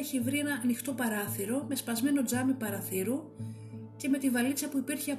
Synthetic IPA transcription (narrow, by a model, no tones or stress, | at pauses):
eçivɾie̞nɐnixt̪o̞pɐɾɐθiɾo̞me̞spɐzme̞no̞d͡zɐmipɐɾɐθiɾu | ce̞me̞t̪ivɐlit͡sɐpuipiɾçeɐ